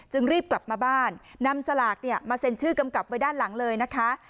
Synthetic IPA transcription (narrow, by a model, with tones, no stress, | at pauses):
t͡ɕɯ˧ŋɾiː˥˩p̚kla˨˩p̚maː˧baː˥˩nːa˧msa˧laː˨˩k̚ni˥˩ɐmaː˧se˧nt͡ɕʰɯː˥˩ka˧mka˨˩p̚wa˧jdaː˥˩nla˩˦ŋlɤː˧jna˦˥kʰa˦˥ʔ